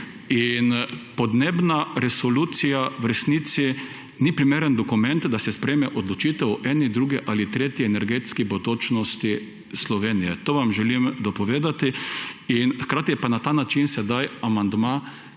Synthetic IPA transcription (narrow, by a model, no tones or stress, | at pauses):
inpɔd̪neːbnaɾɛsɔluːt̪sijawɾɛsniːt̪si | nipɾimeːɾənd̪ɔkumɛnt̪d̪asɛspɾeːmɛʔɔd̪lɔt͡ʃiːt̪ɛɔʔɛːnid̪ɾuːɡɛʔalit̪ɾeːt̪jiɛnɛɾɡeːt̪skibod̪ot͡ʃnɔst̪i | slɔʋeːnijɛt̪oːʋamʒɛlimd̪ɔpɔʋeːd̪at̪iinxkɾaːt̪ijɛpanat̪aːnat͡ʃinsɛd̪ajamand̪ma